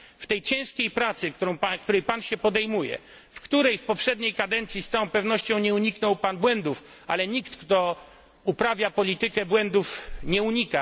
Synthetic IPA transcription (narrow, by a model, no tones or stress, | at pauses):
ft̪ɛjt͡ɕɛ̃w̃ʂkʲejpɾat̪sɘk̪ɔ̃w̃akt̪uɾɛjpanɕɛpɔd̪ɛjmujɛ̰ | fkt̪uɾɛjfpɔpʂɛd̪ɲejkad̪ɛnt̪sʲjist̪sawɔ̃w̃pɛvnɔɕt͡ɕɔ̃w̃ɲɛuɲiknɔwpanbwɛnd̪uf | ʔa̰lɛɲikt̪kt̪ɔ | upɾavʲjapɔlʲit̪ɘkɛbwɛnd̪ufɲɛuɲika